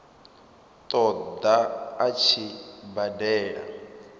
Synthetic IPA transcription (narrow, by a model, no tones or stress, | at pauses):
t̪ʼɔd̪aat͡ʃʰibadɛːɺa̰